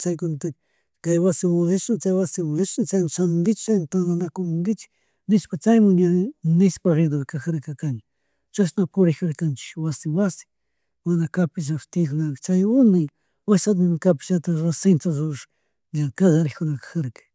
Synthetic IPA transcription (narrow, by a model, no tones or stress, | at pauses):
t͡ʃajkʊnt̪ak | kajwasɪwaeʃnat͡ʃajwasɪmasnat͡ʃajmasand̪ɪt͡ʃt͡ʃajmt̪and̪anakʊmʊŋɡɪt͡ʃɪ̥k | nɪspat͡ʃajmaɲanɪspaɾed̪oβɪkaxaɾkakaŋ | t͡ʃasnapʊɾɪkaɾkant͡ʃɪ̥wasɪwasɪ̥ | manakapɪs̬aft̪iknaɾt͡ʃajʊnaj | wasat̪ɪnkapɪ̥t͡ʃat̪aɾasɪnt̪azʊʃ | ɲakad̪aɾɪkʊnakḁxaɾkḁ